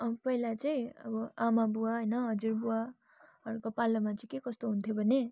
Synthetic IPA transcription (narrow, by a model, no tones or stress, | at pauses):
ʌpʌɦilat͡sʌĩʌ̰bʌamabuaɦʌjnʌɦʌd͡ziɾbua | ʌɾukopalʌmat͡sʌĩkekʌst̪oɦunt̪ʰjobʱʌne